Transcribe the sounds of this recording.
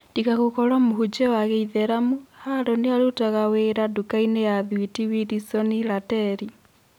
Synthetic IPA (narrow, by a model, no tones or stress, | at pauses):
nd̥ikaɣokɔɾamoɦud͡ʒɛwaɣeiðɛɾamuhaɾɔneaɾotaɣaweːɾadukainejaðwitiwiɾisɔniɾatɛɾi